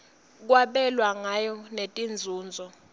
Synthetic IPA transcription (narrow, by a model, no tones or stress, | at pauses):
k̬waɓɛlwaŋajɔnetʼind͡zʱuːnd͡zʱɔ